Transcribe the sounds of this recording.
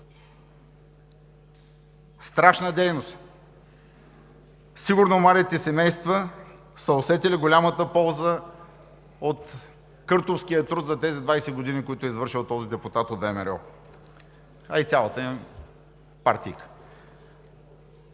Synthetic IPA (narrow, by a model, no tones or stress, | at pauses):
st̪ɾaʃnəd̪ɛjnost̪ | siɡʊɾnomaɾit̪ɛsɛmɛjst̪və | səosɛt̪ɛliɡolʲamət̪əpɔlˠzə | ot̪ | kɤɾt̪ofskijət̪ɾut̪zɐt̪ɛzid̪vajsɛɡod̪inikoit̪ʊɛizvɤɾʃilˠt̪ɔzid̪ɛput̪at̪ot̪d̪vɛmɛɾɔ | ɐit̪sʲalˠət̪ə | paɾt̪ʲḭjkə̥